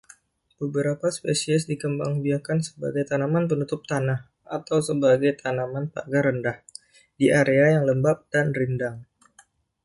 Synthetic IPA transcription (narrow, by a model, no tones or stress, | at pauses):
b̥əbəɾapaspesiɛsdikəmba̰ŋbiakansə̥ba̰ɡajt̪anamanpənut̪ʊp̚t̪anah | at̪awsəbaɡajt̪ʰanamanpa̰ɡaɾəndah | diʔaɾeajaŋləmbap̚d̥anrindaŋ